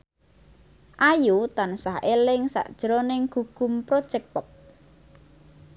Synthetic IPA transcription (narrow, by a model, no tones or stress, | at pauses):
ʔajut̪ansaɦʔelɪŋsa̰ʔd̥ʒ̥əɾonɪŋɡ̥ṳɡ̥ʊmpɾod̥ʒ̥ɛk̚pəp̚